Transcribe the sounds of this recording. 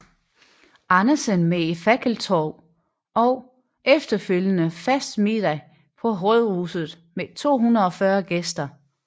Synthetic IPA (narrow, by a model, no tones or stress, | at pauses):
ʔɑ̈nɐsənmeifæɡ̥ʰəl̩t͡sʰɒʊ | ɒ̽ʊ | ʔefd̥ɐføljənəfæsd̥mid̥æ | pʰɒ̽ɦɔð̞ˠʁṵːsð̞̩ˠ | met͡sʰo̝̰ːɦunɐð̩ˠɒ̽fɶɐɡ̥esd̥ɐ